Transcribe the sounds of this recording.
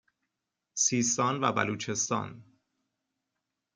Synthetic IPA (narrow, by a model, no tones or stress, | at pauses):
siːst̪ɒːnvæ̰bæ̰luːt͡ʃʰe̞st̪ɒ̰ːn